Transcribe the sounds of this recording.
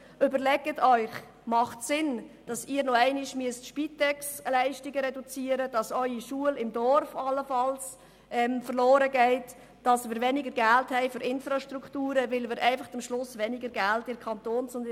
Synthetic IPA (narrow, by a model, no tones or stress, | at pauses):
ʔʏbəɾlɛɡ̥ətʰœʏχ | mɑχtsɪnd̥ɑsiːɾnɔɛɪnɪʃmyəstʃpitɛkslæɪʃtɪɡəɾɛdut͡siːəɾəd̥ɑsœʏiʃuəlɪmdɔrfɑlːəfɑls | ʔɛmfərloːɾəɡɛɪt | d̥ɑsmɪːɾʋɛnɪɡəɾɡælthɛɪfʏɾʔɪnfɾɑʃtɾuktuːɾəʋɪlmɪɾʔɛɪfɑχt͡səmʃlʊsʋɛnɪɡəɾɡæltɪkʰɑntoːnsʊnd